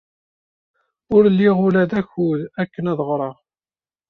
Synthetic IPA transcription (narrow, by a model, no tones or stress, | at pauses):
ʊɾlːiʁʊlæðæçuðækːənæðʁɾˤɑʁ